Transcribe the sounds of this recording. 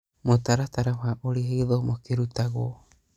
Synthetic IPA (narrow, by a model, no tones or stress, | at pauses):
motaɾataɾaβaʔoɾiaðomokeɾutaɡo̰